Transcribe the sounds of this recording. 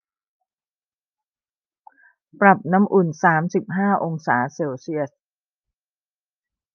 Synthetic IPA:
pɾa˨˩p̚na˦˥mʔu˨˩nsaː˩˦msi˨˩p̚ɦaː˥˩ʔo˧ŋsa̰ː˩˦seː˧wsi˥˩əs̚

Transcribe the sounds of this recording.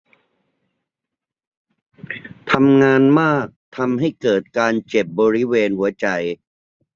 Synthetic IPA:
t̪ʰa˧mŋaː˧nmaː˥˩k̚t̪ʰa˧mɦa˥˩jkɤː˨˩t̪̚kaː˧nt͡ɕe˨˩p̚bɔː˧ɾi˦˥weː˧nhu˩˦ɐt͡ɕa˧j

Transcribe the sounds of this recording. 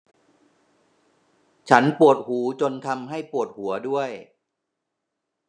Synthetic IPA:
t͡ɕʰa˦˥npu˨˩ət̪̚huː˩˦t͡ɕo˧nt̪ʰa˧mɦa˥˩jpu˨˩ət̪̚hu˩˦ɐdu˥˩əj

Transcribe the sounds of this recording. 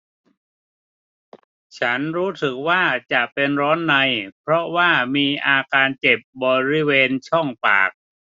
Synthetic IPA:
t͡ɕʰa˦˥nɾuː˦˥t̪ʰɯ˨˩k̚waː˥˩t͡ɕa˨˩ʔpe˧nɾɔː˦˥nːa˧jpʰɾɔ˦˥waː˥˩miː˧ʔaː˧kaː˧nt͡ɕe˨˩p̚bɔː˧ɾi˦˥weː˧nt͡ɕʰɔ˥˩ŋpa̰ː˨˩k̚

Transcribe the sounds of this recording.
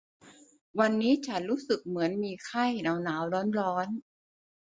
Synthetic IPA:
wa˧nːiː˦˥t͡ɕʰa˦˥nɾuː˦˥sɯ˨˩k̚mɯ˩˦ənmiː˧kʰa˥˩jnaː˩˦wnaː˩˦wlɔː˦˥nɾɔː˦˥n

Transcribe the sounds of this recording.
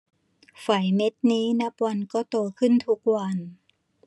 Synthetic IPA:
fa˨˩jme˦˥t̪̚niː˦˥na˦˥p̚wa˧nkɔː˥˩t̪oː˧kʰɯ˥˩nt̪ʰu˦˥k̚wa˧n

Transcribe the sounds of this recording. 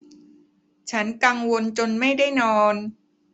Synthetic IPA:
t͡ɕʰa˦˥nka˧ŋwo˧nt͡ɕo˧nma˥˩jda˥˩jnɔː˧n

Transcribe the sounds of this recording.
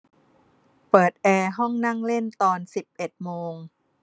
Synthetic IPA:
pɤː˨˩t̪̚ʔɛː˧ɦɔ˥˩ŋna˥˩ŋle˥˩nt̪ɔː˧nsi˨˩p̚ʔe˨˩t̪̚moː˧ŋ

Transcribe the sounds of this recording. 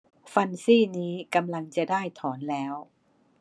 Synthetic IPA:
fa˧nsiː˥˩niː˦˥ka˧mla˧ŋt͡ɕa˨˩daː˥˩jt̪ʰɔː˩˦nlɛː˦˥w

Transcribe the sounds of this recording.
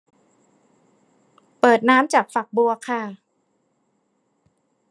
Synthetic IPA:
pɤː˨˩t̪̚naː˦˥mt͡ɕaː˨˩k̚fa˨˩k̚bu˧ɐkʰa˥˩

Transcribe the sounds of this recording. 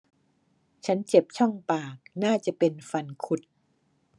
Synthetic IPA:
t͡ɕʰa˦˥nt͡ɕe˨˩p̚t͡ɕʰɔ˥˩ŋpaː˨˩k̚naː˥˩t͡ɕa˨˩pe˧nfa˧nkʰu˦˥t̪̚

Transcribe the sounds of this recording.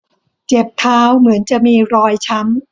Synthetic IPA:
t͡ɕe˨˩p̚t̪ʰaː˧wmɯ˩˦ənt͡ɕa˨˩miː˧ɾɔː˧jt͡ɕʰa˦˥m

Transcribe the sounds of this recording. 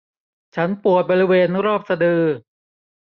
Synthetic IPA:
t͡ɕʰa˦˥npu˨˩ət̪̚bɔː˧ɾi˦˥weː˧nɾɔː˥˩p̚sa˧dɯː˧

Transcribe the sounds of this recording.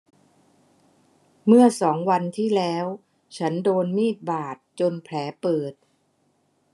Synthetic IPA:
mɯ˥˩ɐsɔː˩˦ŋwa˧nt̪ʰiː˥˩lɛː˦˥w | t͡ɕʰa˦˥ndoː˧nmiː˥˩t̪̚baː˨˩t̪̚t͡ɕo˧npʰlɛː˩˦pɤː˨˩t̪̚

